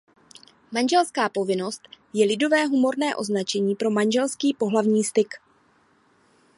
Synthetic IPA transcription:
manʒɛlskaːpo̞vɪno̞st̪ | jɛlɪdo̞vɛːɦumo̞rnɛːʔo̞znat͡ʃɛɲiːpɾo̞manʒɛlskiːpo̞ɦlavɲiːst̪ɪk

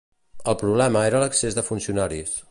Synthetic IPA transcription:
əlˠpɾuβlɛməeɾələksezðəfunsiunaɾis

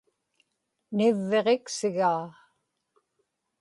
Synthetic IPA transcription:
nɪvːe̞ʁeksɪɣaː

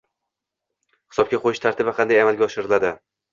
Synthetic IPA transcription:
hɪ̥sɒb̚kʲaqʰojɪʃt̪ʰaɾt̪ɪbaqʰɑnd̪ajamalɡʲaɒʃɪɾɪlad̪ɪ

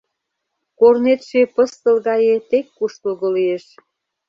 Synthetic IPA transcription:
kornet̪ʃepəst̪ə̆lɣɑjet̪ekːuʃt̪əlɣolijeʃ

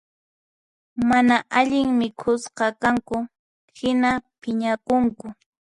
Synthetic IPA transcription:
manaʔaʎɪŋmɪkʰʊsqɑkaŋkʊ | hɪnapɪɲakʊŋkʊ

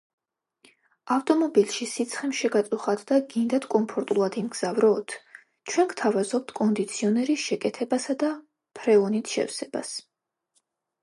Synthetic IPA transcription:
aft̪ʼɔmɔbilˠʃisit̪sʰχɛmʃɛɡat̪sʼuχad̪d̪aɡind̪at̪ʰkʼɔmpʰɔɾt̪ʼulˠad̪imɡz̥avɾɔːt̪ʰ | t͡ʃʰwɛnɡt̪ʰavazɔp̚t̪ʰkʼɔnd̪it̪sʰiɔnɛɾiʃɛkʼɛt̪ʰɛbasad̪a | pʰɾɛɔnit̪ʰʃɛ̰fsɛba̰s

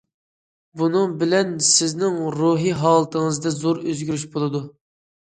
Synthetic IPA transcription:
bunɨŋbɪlɛnsɪznɪŋɾuɦiɦɑːlˠɨt̪ʰəŋɨzd̪ɛzoɾøzɡʲyɾyʃbolˠɨd̪u

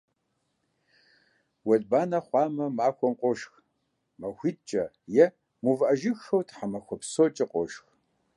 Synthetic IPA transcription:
wɐɮbaːnɐχʷɑːmɐmaːxʷɔmqʷʼɔʃx | mɐxʷid̚t͡ʃʼɐ | jɛ | muvʔɐʒɪxxɐwtʰħamɐxʷɔpsot͡ʃʼɪqʷʼɔʃx

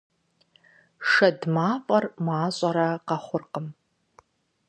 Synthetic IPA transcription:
ʂɐdmaːfʼɐrmaːɕʼɐɾɐqɐχʷʊrqəm

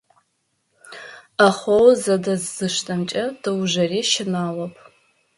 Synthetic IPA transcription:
aχʷowzɐdɐzːɨʂtʰʼɐmt͡ʃʼɐd̥ɨwʒɐriːʃɪnaːlɐpʼ

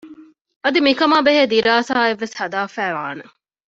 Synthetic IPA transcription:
ɐd̪imikɐmaːbeɦeːd̪iɾaːsaːeʋːeshɐd̪aːfæːʋaːne

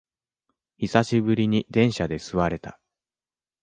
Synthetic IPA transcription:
çisaɕibɯ̟ɾʲiɲ̟id̪ẽ̞ɰ̃ɕad̪e̞sɨβaɾe̞t̪a

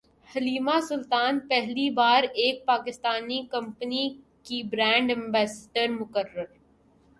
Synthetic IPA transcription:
hɐliːmasʊlt̪aːnpɛɦlibaːɾeːk̚paːkɪst̪aːnikɐ̃mpəni | kibɾɛ̃ːɳɖɛ̃mbɛːsʈəɾmʊkəɾːəɾ

